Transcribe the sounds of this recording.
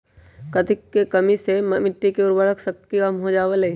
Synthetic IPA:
kɐt̪ʰɪkːekɐmisemɐmɪʈːikeʊɾbəɾəksək̚t̪kikɐmɦod͡ʒaːʋəle

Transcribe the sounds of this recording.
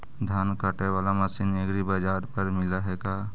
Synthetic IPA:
d̪ʱaːnkaʈeʋaːlamasineɡɾibaːd͡ʒaːɾpəɾmɪlaɦɛːɡaː

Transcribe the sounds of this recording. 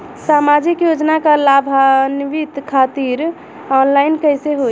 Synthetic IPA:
samad͡ʒikjod͡ʒnakalabʱanʋit̪kʰat̪iɾ | ɔnlaɪnkəjseɦo

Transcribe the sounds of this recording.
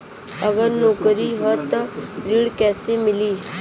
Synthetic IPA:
əɡəɾnoːkəɾiɦɔt̪əɾiːɽkɛːsemɪliː

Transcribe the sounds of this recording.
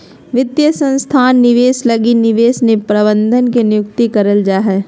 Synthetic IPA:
ʋɪd̪jəsə̃nst̪ʰaːnːɪʋeːslɐɡinɪʋeːsnepɾɐbə̃nd̪ʱənkenɪjʊk̚t̪ikɐɾəld͡ʒaːɦɛː

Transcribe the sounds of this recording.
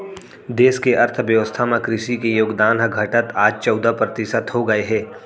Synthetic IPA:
d̪eːskeʔɐɾt̪ʰʋjəʋəst̪ʰamẽkɾɪʃikejoːɡd̪aːnɦəɡʱɐʈət̪aːd͡ʒt͡ʃɔːd̪ʱəpɾət̪ɪʃət̪ɦoɡɐeɦɛː

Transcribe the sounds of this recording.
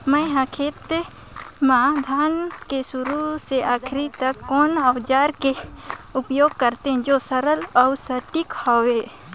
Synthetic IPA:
məjɦãkʰeːt̪ | mãd̪ʱaːnkesʊɾuseʔaːkʰɾit̪əkːɔːnəʋd͡ʒaːɾkeʊpjoːɡ̚kəɾt̪eɦɛ̃d͡ʒosəɾəlɔsəʈɪkhoːweː

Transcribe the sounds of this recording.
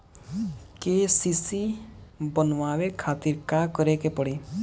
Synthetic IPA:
kesisibɔnʋaːwekʰat̪iɾkakɔɾekepɔɽi

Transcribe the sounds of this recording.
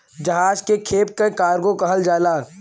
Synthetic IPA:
d͡ʒəɦaːd͡ʒkekʰeːp̚kekaːɾɡõkɐɦəld͡ʒaːlaː

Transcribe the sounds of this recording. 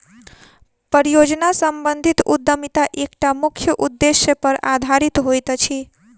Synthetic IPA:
pəɾijod͡ʒnasəmbənd̪ʱit̪ud̪ːəmit̪aʔek̚ʈamukʰjəʔud̪ːesjəpəɾʔad̪ʱaɾit̪ɦojt̪t͡ʃʰi

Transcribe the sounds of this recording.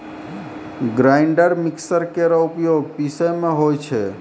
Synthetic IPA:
ɡɾaɪɳɖəɾmiksəɾkeɾəupjoɡ̚pisəmeɦojt͡ʃʰɛ

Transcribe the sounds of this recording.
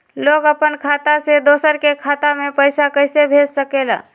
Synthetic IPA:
loɡəpənkʰat̪ased̪osəɾkekʰat̪amepəɪsakəjsebʱed͡ʒsəkela̰

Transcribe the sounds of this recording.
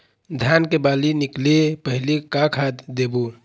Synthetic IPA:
d̪ʱjaːnkebaːlinɪklepəɦlikakʰad̪d̪ebu

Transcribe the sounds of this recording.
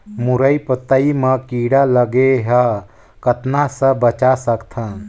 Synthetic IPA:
muɾəipət̪əiməkiɽaləɡeɦə | kət̪nasə̃bət͡ʃasəkt̪ʰã

